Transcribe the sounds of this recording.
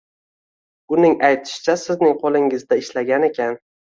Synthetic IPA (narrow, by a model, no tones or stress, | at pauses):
ʊnɪŋajt̪ʰɪ̥ʃɪ̥t͡ʃʰasɪznɪŋqʰolˠɪŋɪzd̪aɪʃlaɡʲane̞kʲʰan